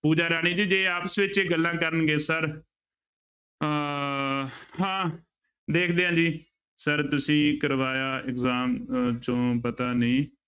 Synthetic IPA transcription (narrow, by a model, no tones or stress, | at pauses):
puːd͡ʒaːɾɛːɽ̃iːd͡ʒiːd͡ʒeːaːpəsʋɪt͡ʃeːɡəlːãːkəɾənɡeːsəɾ | hãː | d̪eːkʰd̪eːɦãːd͡ʒiː | səɾt̪ʊsĩːkəɾʋaːjaːɪkzaːmt͡ʃõːpət̪aːnĩː